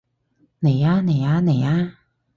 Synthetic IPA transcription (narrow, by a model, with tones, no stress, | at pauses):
ne˨˩jaː˧˥ne˨˩jaː˧ne˨˩jaː˧